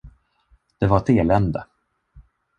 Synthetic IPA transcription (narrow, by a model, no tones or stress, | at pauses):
d̪̥ɛvaɾt̪eːlɛnd̪ə